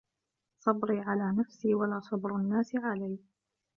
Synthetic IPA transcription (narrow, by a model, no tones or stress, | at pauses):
sˤɑbɾiːʕalaːnafsiːwalaːsˤɑbɾanːaːsɪʕalaj